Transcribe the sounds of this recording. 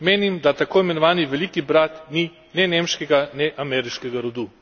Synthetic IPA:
meːnimd̪at̪akoːimɛnɔʋaːniʋɛlikibɾat̪ni | nɛnemʃkɛɡanɛʔamɛɾiʃkɛɡaɾod̪u

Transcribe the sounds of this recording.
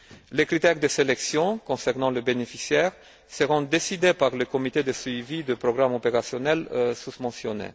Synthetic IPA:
lekχit̪ɛʁd̪əselɛksjɔ̃kɔ̃sɛʁnɑ̃ləbenefisjɛʁ | səʁɔ̃d̪esid̪epaʁləkɔmit̪ed̪əsɥivid̪əpχɔɡʁamɔpeʁasjɔnɛlsuspɑ̃sjɔnḛ

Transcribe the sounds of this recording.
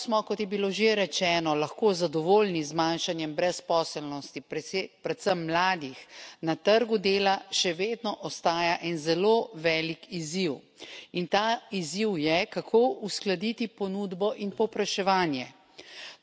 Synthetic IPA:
smɔkɔt̪jɛbiloʒeɾɛt͡ʃɛːnɔlɐxkoːzad̪ɔʋoːlnizmanʃanjɛmbɾɛspɔːsɛlnɔst̪ipɾɛt̪səmːlaːd̪ixnat̪əɾɡud̪eːlaʃɛʋeːd̪nɔʔɔst̪aːjaʔɛnzɛloːʋɛːlikʰiziw | int̪aiziwjɛkakʰoːusklad̪it̪ipɔnud̪bɔʔinpɔwpɾaʃɛʋaːnjɛ

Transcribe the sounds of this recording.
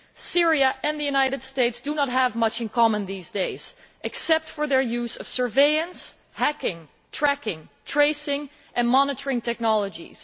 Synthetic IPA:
sɪɹiəʔɨ̃nðɨjunaɪɾɨd̥steɪtsd̥unət̚ɦəvmʌt͡ʃɨ̃nkʰɑmə̃nðiːzdeɪz̥ʔɨksɛp̚tfə˞ðə˞juzʌ̰v̥sə˞veɪɨ̃ns | hækɪ̃ŋ | tʰɹ̥ækɪ̃ŋtʰɹ̥eɪsɪ̃ŋ | ʔɨ̃nmɑnəɾə˞ɪ̃ŋtʰɛk̚nɑlˠəd͡ʒḭz̥

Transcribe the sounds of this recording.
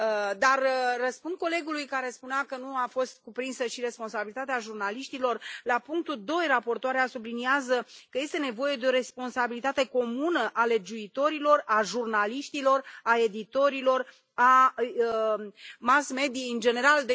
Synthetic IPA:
d̪arːəspund̪̚ko̞le̞ɡulujkaɾe̞spuneakənuafo̞st̪̚kupɾinsəʃiɾe̞spo̞nsabilit̪at̪eaʒurnaliʃt̪ilo̞rlapuŋk̚t̪uld̪o̞jrapo̞rt̪oaɾeasubliniazəkəje̞st̪e̞ne̞vo̞je̞d̪e̞o̞ɾe̞spo̞nsabilit̪at̪e̞ko̞munəʔale̞d͡ʒuit̪o̞ɾilo̞raʒurnaliʃt̪ilo̞rae̞d̪it̪o̞ɾilo̞r | a | masme̞d̪ijeɨnd͡ʒe̞ne̞ɾald̪e

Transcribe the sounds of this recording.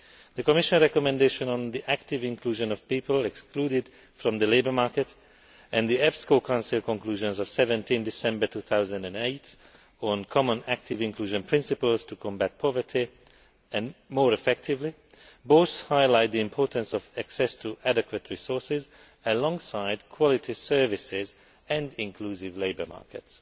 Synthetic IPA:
ðəkɔmɪʃə̃nɹɛkɔmɛ̃ndeʃə̃nə̃nðiʔæktɪvɪ̃nkʰluːʒə̃nɔv̥piːpəlɛkskʰluːdɪd̥ | fɹɔ̃mðəleɪbə˞maɹkɛt | ʔɛ̃nðiɛfskokʰãʊnsɪlˠkɔ̃ŋkluːʒə̃nzɔv̥sɛvɛ̃ntĩndɪsɛ̃mbə˞tʰuːθaʊzə̃ndɛ̃neɪt | ɔ̃nkʰɔmə̃næk̚tʰɪvɪ̃nkʰl̥uːʒə̃npʰɹɪ̃nsɪpəlz̥tʰukʰɔ̃mbæt̚pʰɔvə˞tʰi | ɛ̃nmoːɹɛfɛk̚tʰɪvli | boʊθhaɪlaɪt̪̚d̪iɪ̃mpʰɔːɹtə̃nsɔvæksɛstʰuʔædɛkwətʰɹisɔɹsɪz | əlɔ̃ŋsaɪdkʰwɔlɪtʰisɜ˞vɪsɪz | ɛ̃ndɪ̃ŋkʰluːsɪvleɪbə˞ma̰ɹkɛts

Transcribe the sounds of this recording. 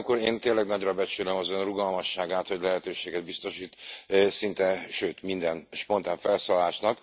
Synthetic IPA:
kuɾeːnt̪eːnlɛɡnɒɟrɒbɛt͡ʃylømɒzø̞nruɡɒlmɒʃːaːɡaːt̪ho̞ɟlɛɦɛt̪øːʃeːɡɛd̪̚bist̪o̞ʃiːt̪sint̪ɛʃøːt̪mind̪ɛnʃpo̞nt̪aːɱfɛlsoːllaːʃnɒk

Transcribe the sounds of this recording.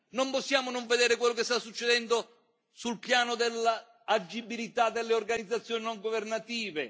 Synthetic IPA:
nomposːjaːmonoɱved̪eːɾɪkwelːokest̪asːut͡ʃːed̪ɛnd̪o | sulpjaːnod̪elːa | ad͡ʒːibilit̪ad̪ːelːeorɡanid̪zːat̪sːjoːninoŋɡovernat̪iːve

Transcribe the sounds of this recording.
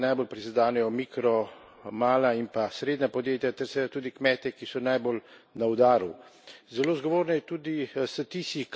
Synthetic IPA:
najbolpɾizd̪aːnɛjɔmiːkɾɔ | maːlaimpasɾeːd̪nʲapɔd̪jeːt̪jat̪ɛɾsɛjat̪uːd̪ikmɛːt̪ɛkisɔnajbolnawd̪aːɾuzɛloːzɡɔʋoːɾnɛjɛt̪uːd̪isɛt̪isik

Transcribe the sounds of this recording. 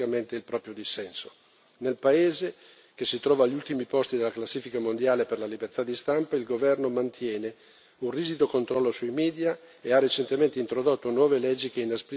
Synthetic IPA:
kament̪eilpɾɔːpɾjod̪isːɛnso̥ | nelpaeːze | kesit̪ɾɔːvaːʎːult̪imipɔst̪id̪elaklasːiːfikamond̪jaːleperlalibert̪ad̪ist̪ampailɡovɛrnomant̪ʰjɛːne | unriːzid̪okont̪ɾɔlːosuimiːd̪ja | earːet͡ʃent̪ement̪eint̪ɾod̪ot̪ːonwɔːvelɛd͡ʒːikeinaspɾi

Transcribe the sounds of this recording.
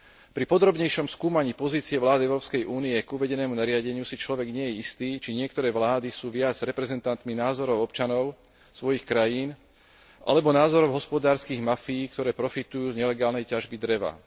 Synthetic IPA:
pɾipɔd̪ɾɔbɲɛjʃɔmskuːmaɲiːpɔziːt͡siɛʋlaːd̪iɛʊɾɔːpskɛjʔuːniɛkuʋɛɟɛnɛːmunaɾɪaɟɛɲɪusit͡ʃlɔʋɛɡɲɪɛjɛist̪iːt͡ʃiɲɪɛk̚t̪ɔɾɛːʋlaːd̪isuːʋɪad͡zɾɛpɾɛzɛnt̪ant̪minaːzɔɾɔʊɔpt͡ʃanɔʊ | sʋɔjixkɾajiːn | ʔa̰lɛbɔnaːzɔɾɔʊɦɔspɔd̪aːɾskiːɣmafijːkt̪ɔɾɛːpɾɔfit̪ujuːzɲɛlɛɡaːlnɛjcaʒbid̪ɾɛʋa̰

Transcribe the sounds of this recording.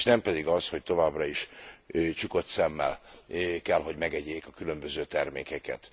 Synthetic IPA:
ʃnɛmpɛd̪iɡɒsho̞c̚t̪o̞vaːbrɒiʃ | t͡ʃuko̞t̪sɛmːɛ̰lkɛlɦo̞ɟmɛɡɛɟːeːkɒkylø̞mbøzøːt̪ɛrmḛːkɛkɛ̰t̪

